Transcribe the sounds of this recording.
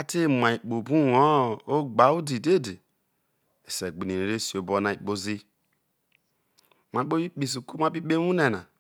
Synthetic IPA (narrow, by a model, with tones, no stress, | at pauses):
a˦te˦˨ma˨i˨k͡po˨bu˦o˦o˦ɡ͡ba˨u˦di˨de˦˨de˨ | e˨se˨ɡ͡bi˨ni˨n˨ɾe˦si˨o˨bo˦na˨i˨k͡po˦zi˦ | ma˨˦k͡po˦i˦k͡pi˨s̬u˨ku˦ma˦bi˦k͡pe˦mu˦ne˨na̰˨